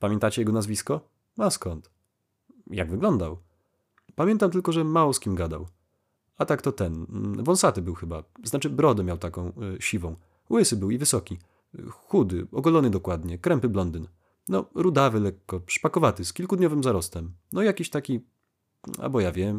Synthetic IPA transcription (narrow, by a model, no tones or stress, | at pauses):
pamʲjɛ̃nt̪at͡ɕɛjɛɡɔnazvʲiskɔ | askɔnt̪ | ja̰ɡvɘɡlɔnd̪aw | pamʲjɛnt̪amt̪ɘlkɔʐɛmawɔskʲimɡad̪a̰w | at̪akt̪ɔt̪ɛnvɔñsat̪ɘbɘwxɘbaznat͡ʂɘbɾɔd̪ɛmʲjawt̪akɔ̃w̃ɕivɔ̃w̃ | wɘsɘbɘwivɘsɔkʲi | xud̪ɘ̰ɔɡɔlɔnɘd̪ɔkwad̪ɲɛkɾɛmpɘblɔnd̪ɘn | nɔɾud̪avɘlɛkːɔʂpakɔvat̪ɘskʲilkud̪ɲɔvɘmzaɾɔst̪ɛmnɔjakʲiɕt̪akʲi | a̰bɔjavʲjɛm